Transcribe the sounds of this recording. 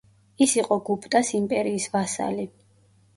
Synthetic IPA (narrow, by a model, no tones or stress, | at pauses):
isiqʼɔɡupʰt̪ʼasimpʼɛɾiːsvasa̰li